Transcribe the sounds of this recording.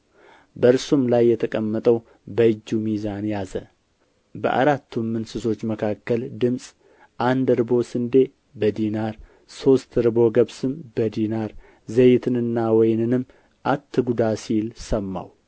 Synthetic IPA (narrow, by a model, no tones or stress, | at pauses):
bəɨɾsumlajːɛt̪ʰəkʼəmːət̪ʼəw | bəɨd͡ʒːumizanjazə | bə̰ʔa̰ɾat̪ːumːɨnsɨso̞t͡ʃːməkʰakːəld̪ɨmsʼ | ʔand̪ɾbo̞sɨnd̪e̞ | bəd̪inaɾ | so̞st̪ɨɾɨbo̞ɡəβsɨmbəd̪inaɾ | zəjt̪ʰɨnɨnːawɔjnɨnɨm | ʔat̪ʰːɨɡud̪asilsəmːa̰w